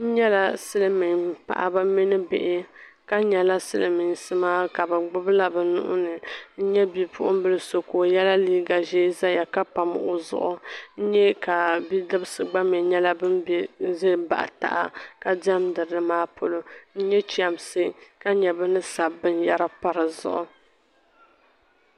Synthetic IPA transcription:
n̩˦ɲɛ˦la˦sɨ˦lɨ˦mi˨ŋpa̰˨ʔa̰˦ba˦mi˦nɨ˦bɪ̰˨ʔɪ˦ka˦ɲɛ˨la˦sɨ̰˦lɨ˨mi˨ŋ˨sɨ˦maː˦ka˨bɨ˨ɡ͡bʊ˦bla˦bɨ˨nʊ̰˦ʔʊ̰˦nɨ˨n̩˦ɲɛ˦bi˨pʊ̰˦ʔʊ˦m˦bɨ˦lɨ˦so˨ko˨jɛ˦la˦liː˦ɡa˨ʒeː˦za˦ja˨ka˦pa˨m˨ʔo˨zʊ̰˨ʔʊ˦n̩˦ɲɛ˦ka˨bi˦dɨ˦bɨ˦sɨ˨ɡ͡ba˦mɛ˨ɲɛ˦la˦bɨ˦mbze˦ba̰˨ʔta̰˦˨ʔa˦˨ka˨da˦mdɨ˨ɾɨ˨˦ɨ˦maː˦po˦lo˦n̩˦ɲɛ˦t͡ʃi˨a˨msɨ˦ka˦ɲɛ˨bɨ˦nɨ˦sa˨bɨ˦nja˦ɾa˦pa˦ɾɨ˨zʊ̰˨ʔʊ˨

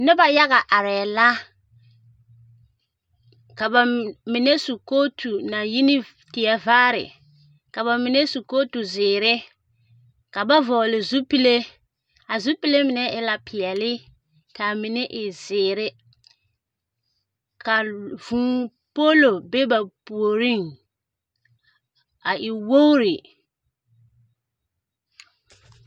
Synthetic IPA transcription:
nɪ˦ba˨ja˦ɣa˨ʔa˨ɾɛ˨la˦ | ka˨ba˨mɪ˨ne˦su˨ko˦tʰu˨na˨ji˦nɪ˦ | tɪ˨ɛ˨vaː˦ɾɪ̰˨ | ka˨βa˨mɪ˨ne˦su˨koː˦tu˨zɪː˨ɾɪ˦ | ka˨ba˦vɔː˨lɪ˨zu˦pi˦le˦ | a˨zu˦pi˦le˦mɪ˨nɛ˦ʔɪ˦la˨pʰɪ˨ɛ˨lɪ˦ | ka˨mɪ˨nɛ˦ʔɪ˨zɪː˨ɾɪ˦ | ka˨vũː˨ | po˦lo˨be˦ba˨pu˨o˨ɾi˦˨ŋ | a˨ʔɪ˨wo˦ɾɪ˨

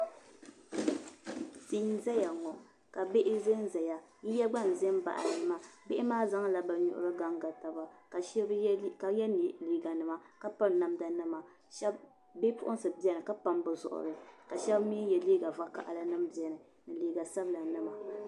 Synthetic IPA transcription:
ti˨˦n˦za˦ja˨ŋɔ˨ | ka˨be˦ʔɪ˦ze˦n˦za˨ja˨ | ji˦ja˦ɡ͡ba˦˨n˨zɛ˦m˦ba̰˨ʔa̰˨ɾɨ˨˦ma˦be˦ʔɪ˦maː˦za˦ŋ˦la˨ba˨ɲṵ˨ʔʊ̰˦ɾɨ˦ɡa˦ŋɡa˨ta˨ba˨˦bka˨jɛ˦n˨liː˨ɡa˨nɨ˨ma˦ka˦pa˦mna˨mda˨nɨ˦ma˨ | ʃɛ˦b | be˦pʊ˦ʔʊ˦n˦sɨ˨bɛ˦nɨ˨ka˦pa˦mbɨ˨zʊ̰˨ʔʊ̰˨ɾɨ˨ka˨ʃɛ˦bmi˦jɛ˨li˦ɡa˨va˦ka̰˨ʔa˨la˦nɨ˦mbi˨ɛ˨nɨ˨ | nɨ˨liː˨ɡa˨sa˦bla˨nɨ˦ma˨

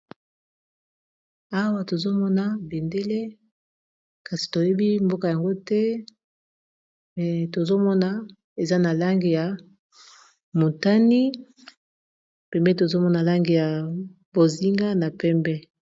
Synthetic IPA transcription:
a˦wa˦to˨zo˦mɔ˦na˨be˨nde˦le˦ | ka˨si̥˨to˨je˦bi˦mbo˦ka˨ja˨ŋɡo˦tɛ˦ | mɛ˨to˨zo˦mɔ˦na˨ | e˨za˦na˨la˦ŋɡe˨ja˨ | mo˨ta˦ni˦ | pɛ˨mbɛ˦t̬o˨zo˦mɔ˦na˨la˦ŋɡe˨ja˨bo˨zi˦ŋɡa˦na˨pɛ˦mbɛ˦

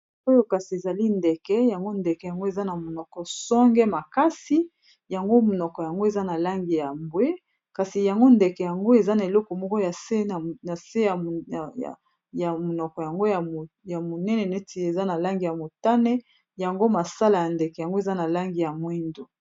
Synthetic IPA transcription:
o˦jo˦ka˨si˨e˨za˨li˦ndɛ˨kɛ˦ja˨ŋɡo˦ndɛ˨kɛ˨ja˨ŋɡo˦e˨za˦na˨mo˨nɔ˨kɔ˨sɔ˦ŋɡɛ˦ma˨ka˦si˦ | ja˨ŋɡo˦mo˨nɔ˨kɔ˨ja˨ŋɡo˦e˨za˦na˨la˦ŋɡi˨ja˨mbwe˦ | ka˨si˨ja˨ŋɡo˦ndɛ˨kɛ˨ja˨ŋɡo˦e˨za˦na˨e˨lɔ˦kɔ˨mɔ˦kɔ˦ja˨se˦˨na˨se˦ja˨ja̰˨ | ja˨mo˨nɔ˨kɔ˨ja˨ŋɡo˦ja˨ | ja˨mo˨nɛ˦nɛ˨ne˦tʰi˨e˨za˦na˨la˦ŋɡi˨ja˨mo˨ta˦nɛ˦ | ja˨ŋɡo˦ma˨sa˦la˨ja˨ndɛ˨kɛ˨ja˨ŋɡo˦e˨za˦na˨la˦ŋɡi˨ja˨mwi˦ndo˨

